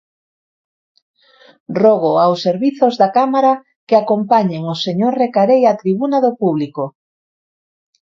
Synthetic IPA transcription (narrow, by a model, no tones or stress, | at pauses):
roɣoawsːeɾβiθozðakamaɾa | keakompaɲeŋoseɲoɾrekaɾejat̪ɾiβunaðopuβliko